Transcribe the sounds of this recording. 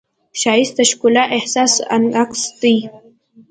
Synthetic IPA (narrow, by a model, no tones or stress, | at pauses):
ʃajist̪aʃkʊlaʔehsasa̰nakst̪ij